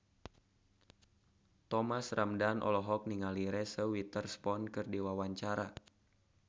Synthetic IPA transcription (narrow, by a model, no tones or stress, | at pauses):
t̪ɔmasramdanʔɔ̰lɔɦɔk̚niŋaliɾɛsəwit̪ərspɔnkɨrdiwawaɲt͡ʃaɾa